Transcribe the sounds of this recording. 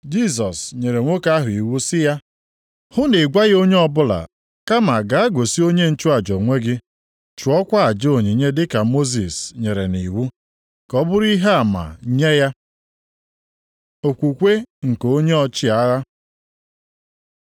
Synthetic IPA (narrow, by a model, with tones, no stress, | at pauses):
d͡ʒi˦s̬ɔ˨sɲe˨ɾe˨ŋʷo˦ka˦ɦʊ˨i˨wu˦sɪ˦ja˦ | hʊ˦ne˨ɡʷa˦ɣo˦ɲe˦ɔ˦bʊ˦la̰˨ | ka˦ma˨ɡa˨a˦ɡo˨si˦o˦ɲe˦n̩˦t͡ʃu˦a˨d͡ʒɔ˨ŋʷe˦ɡɪ˦ | t͡ʃu˨ɔ˦kʷa˦a˨d͡ʒo˨ɲi˨ɲe˦dɪ˦ka˨mo˦zi˨sɲe˨ɾe˨ni˨wu˦ | kɔ˦bʊ˦ɾi˦ɦe˦a˨ma̰˨ɲe˦ja˦ | o˨kʷu˨kʷe˦ŋ̩˨ko˦ɲe˦ɔ˦t͡ʃɪ˦a˦ɣa˦